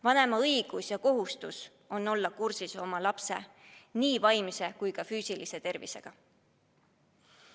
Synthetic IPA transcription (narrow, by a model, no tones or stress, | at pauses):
vɑne̞mɑɤiɡ̥usjɑko̞ɦust̪us | o̞nːo̞lːɑkursiso̞mɑlɑpse̞̰niːvɑjmise̞kujkɑfyːsilise̞t̪e̞rvḭse̞̰ɡ̥ɑ